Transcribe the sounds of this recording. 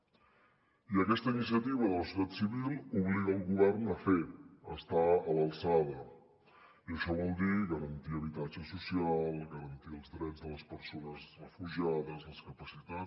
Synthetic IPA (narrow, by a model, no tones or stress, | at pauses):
iəkɛst̪əinisjət̪iβ̞əðələsut̪at̪siβilˠuβliɣəːlˠɣuβɛrnəfeə̰st̪aəβəlˠsaðə | iəʃɔβɔlˠd̪iɣəɾənt̪iəβ̞it̪ad͡ʒəsusialˠɣəɾənt̪iəlˠzðɾɛd͡zðələspəɾsonəzrəfuʒaðəzləskəpəsit̪a